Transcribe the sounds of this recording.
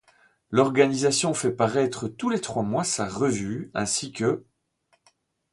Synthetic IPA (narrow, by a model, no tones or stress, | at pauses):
lɔʁɡanizasjɔ̃fɛpaʁɛt̪χət̪ulet̪χwamwasaʁəvyɛ̰̃sikə